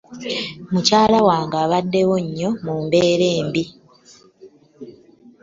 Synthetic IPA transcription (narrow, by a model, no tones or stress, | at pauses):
mucaːlawaːŋɡaːβadːe̞woɲːo̞muːmbe̞ːɾe̞ːmbi